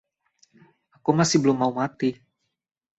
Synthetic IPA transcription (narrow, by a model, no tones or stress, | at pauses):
akumasɪhbəlʊmːaumat̪i